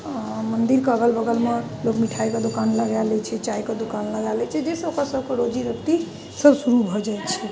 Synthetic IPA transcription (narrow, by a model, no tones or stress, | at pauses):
mənd̪iɾkeəɡəlbəɡəlme | lokmiʈʰajked̪okanləɡalɛt͡ʃʰɛt͡ʃajked̪okanləɡalɛt͡ʃʰɛd͡ʒesəokəsəbʱkeɾod͡ʒiɾək̚t̪i | səbsuɾubʱɔd͡ʒajt̪t͡ʃʰɛ